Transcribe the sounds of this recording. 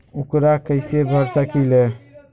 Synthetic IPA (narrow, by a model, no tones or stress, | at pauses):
ukɾakəjseɾbʱəɾsakijle